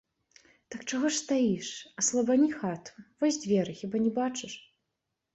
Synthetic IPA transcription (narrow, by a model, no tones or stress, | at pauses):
t̪ɐkt͡ʂaɣɔʂst̪ajiʂɐslˠɐbanʲixat̪u̥vɔsʲd͡zʲvʲɛɾɨxʲibanʲɛbat͡ʂɨʂ